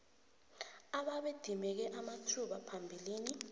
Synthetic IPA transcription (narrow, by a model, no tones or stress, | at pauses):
aɓaɓed̥ʱimɛk̬ɛʔamatʰuɓapʰambʱiliːni